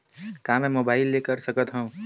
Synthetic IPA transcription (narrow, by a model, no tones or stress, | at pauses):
kamɛ̃mobaːɪlːekəɾsəkət̪ɦə̃ũ